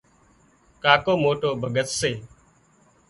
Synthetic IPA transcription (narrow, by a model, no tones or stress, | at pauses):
kaːkoːmoːʈoːbʱəɡət̪seː